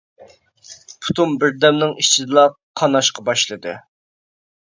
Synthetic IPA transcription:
pʰu̥t̪ʰunbɪɾd̪ɛmnɪŋiʃt͡ʃʰid̪ɨlˠɑ | qʰɑnɑʃqʰɑbɑʃlˠɨd̪ɨ̰

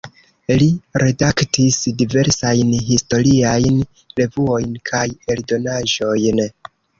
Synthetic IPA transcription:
liɾe̞daktisdive̞ɾsajnɦisto̞ɾiajn | ɾe̞vuo̞jnkʰaje̞ldo̞naʒo̞jn

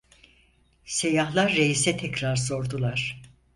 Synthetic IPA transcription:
se̞jaɦlˠaɾːejisɛt̪ʰɛcɾaɾso̞ɾd̪ulˠaɾ̥

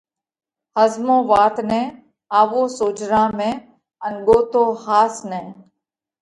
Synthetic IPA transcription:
həzmõːʋaːt̪nɛ̃ː | aːʋõːsoːt͡ʃɾãːmẽː | ənɡoːt̪õːhaːsnɛ̃ː

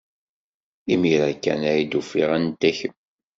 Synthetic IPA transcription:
imiɾækːæ̰næjid̪ufiʁænt̪ːæçəm

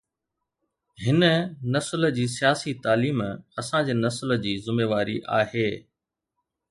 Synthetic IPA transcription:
ɦɪnənɐsld͡ʑiːsijaːsit̪aːliːmɐsãd͡ʑeːnɐsləd͡ʑiːzʊmeːʋaːɾḭʔa̰ːheː

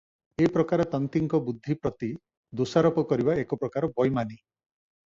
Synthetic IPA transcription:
eipɾɔkaɾet̪ɔnt̪iŋkɔbud̪ʱːipɾɔt̪i | d̪osaɾɔpɔkɔɾibaekɔpɾɔkaɾɔbɔjmani

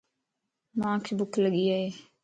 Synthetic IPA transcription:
mãːkʰebʊkʰləɡiːaɦeː

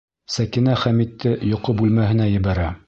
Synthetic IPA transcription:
sækinæχæmit̪ːɘjŏqobʉlmæɦɘ̆næjɘ̆βæɾæ

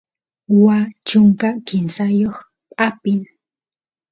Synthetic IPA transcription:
wat͡ʃʊŋkakɪnsajoχ | pʼapɪn

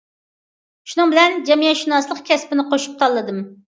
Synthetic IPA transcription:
ʃunɨŋbɪlɛnd͡ʒɛmijɛt̪ʃinɑslˠəqkʲʰɛspɪnɪqoʃu̥p̚t̪ʰɑlˠːɨd̪ɨm

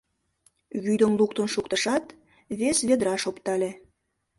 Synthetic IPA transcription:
βyd̪ə̆mluk̚t̪ə̆nʃukt̪əʃɑt̪ | βesβed̪ɾɑʃopt̪ɑlʲe

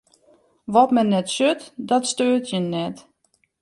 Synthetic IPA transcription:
ʋɔtmɛnːɛtsøtdɔtstøːtʰjənːɛt

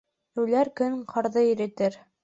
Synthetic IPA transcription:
ʉlæɾkɵŋqʰɤ̆ɾðɤiɾɘ̆t̪ɘɾ

